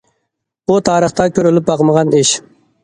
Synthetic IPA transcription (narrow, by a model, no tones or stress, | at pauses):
ʊt̪ʰɑːɾəχt̪ɑkʰʲøɾɪlɪpɑqməʁɑnɪʃ